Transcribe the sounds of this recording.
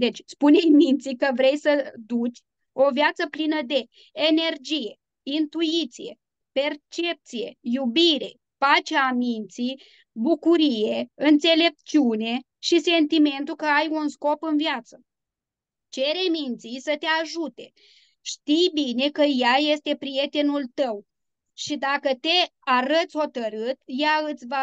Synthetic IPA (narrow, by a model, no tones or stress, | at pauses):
d̪e̞t͡ʃʲspunejmint̪sikəvɾe̞jsəd̪ut͡ʃʲ | o̞vjat̪səplinəd̪e̞ː | ne̞rd͡ʒije̞ | int̪uit̪sije̞̰ | pe̞rt͡ʃe̞p̚t̪sije̞̰jubiɾe̞̰ | pat͡ʃeamint̪sij | bukuɾije̞ɨnt̪se̞le̞p̚t͡ʃiune̞ | ʃise̞nt̪ime̞nt̪ukəajunsko̞pɨnviat̪sə | t͡ʃe̞ɾemint̪sijsət̪eaʒut̪e̞ | ʃt̪ijbine̞kəjaje̞st̪e̞pɾije̞t̪e̞nult̪əw | ʃid̪akət̪e̞ | aɾət̪sʲho̞t̪əɾɨt̪jaɨt̪sʲva